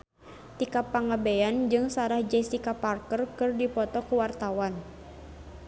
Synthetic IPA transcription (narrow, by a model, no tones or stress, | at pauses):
t̪ikapaŋabeand͡ʒɨŋsaɾahd͡ʒɛst̪ikaparkərkɨrdipɔt̪ɔkuwart̪awan